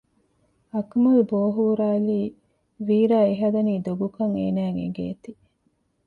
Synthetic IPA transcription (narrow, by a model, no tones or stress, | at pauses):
ɐkmulboːɦuːɾaːliː | ʋiːɾaːeɦɐd̪ɐniːd̪oɡukɐŋḛːnæːŋḛɡḛːt̪i